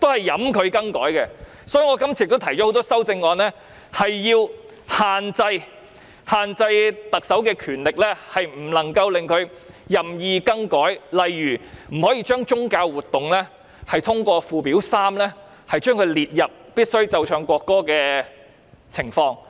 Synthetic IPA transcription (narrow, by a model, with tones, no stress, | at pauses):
t̪o˥whɐ˨jːɐ˨˥mkʰɵ˨˧ɥkɐ˥ŋkɔː˨˥jkɛ˧ | sɔː˨˥jyː˨˥ŋɔː˨˧kɐ˥mt͡sʰiː˨˧jkt̪t̪ʰɐ˨˩jt͡ʃɔ˨˥o˨˥wt̪ɔː˥sɐ˥wt͡sɪ˧ŋːɔː˨˧nlɛː˥ | hɐ˨jːiː˧w | haː˨nt͡sɐ˧j | haː˨nt͡sɐ˧jt̪ɐ˨k̚sɐ˨˥wkɛː˧kʰyː˨˩nlɪ˨k̚lɛː˥hɐ˨jm̩˨˩lɐ˨˩ŋkɐ˧wlɪ˨ŋkʰɵ˨˧ɥ | jɐ˨mjiː˨kɐ˥ŋkɔː˨˥jlɐ˨jːyː˨˩m̩˨˩hɔː˨˥jiː˧t͡ʃœː˥ŋt͡ʃʊ˥ŋkaː˧wːuː˨t̪ːʊ˨ŋlɛː˥ | hɐ˨jt̪ʰʊ˥ŋkʷɔː˧fuː˨piː˨˥wsaː˥mlɛ˥ | hɐ˨jt͡ʃœː˥ŋkʰɵ˨˧ɥliː˨t̚jɐ˨p̚piː˥t̚sɵ˥ɥt͡sɐ˧wt͡ʃʰœː˨˧ŋkʷɔː˧kːɔː˥kɛː˧ | t͡sʰɪ˨˩ŋfɔː˧ŋ